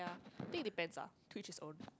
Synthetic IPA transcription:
aθɪ̃ŋ̚dipɛ̃nsa̰tʰwit͡ʃɪsõ̰n

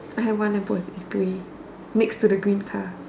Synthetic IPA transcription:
ajɦɛvwãnlɛ̃pɔsɪsɡ̥ĩ | mɪkstudəɡɹĩːnkʰa

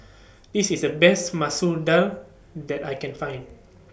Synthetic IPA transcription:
disisdəbɛstmasudal | dɛtajkɛ̃nfãj̃n

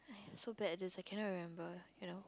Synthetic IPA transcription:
aɪsobɛʔdɪzaɪkʰɛ̃nɔʔɹimɛ̃mbəjunoʊ

